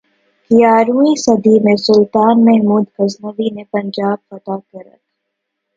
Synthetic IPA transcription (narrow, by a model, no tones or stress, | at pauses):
kijaːɾũĩsɐd̪imẽsʊlt̪aːnmɛɦmuːd̪kɐznəʋiːnepɐ̃ɲd͡ʒaːb̚fɐt̪aːkɐɾə̰t̪